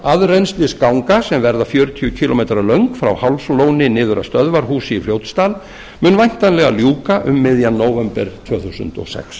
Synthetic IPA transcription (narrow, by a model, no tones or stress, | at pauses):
aðrejnst̪lɪskawŋkasɛmvɛɾðafjœːɾʏt̪ʰijʏcʰilɔmejt̪ɾalœɥŋkfɾa̰whawlsloːwnɪnɪːðʏɾa̰st̪œðvaɾ̥ɦuːsɪːflɾjowt̪st̪aːl | mʏnvajn̥t̪anlɛɣa̰ljuːkaʔʏmːɪðjanːoːwvɛmpɛɾ̥t̪ʰvœːθusʏ̰nt̪ɔ̰sɛ̰ks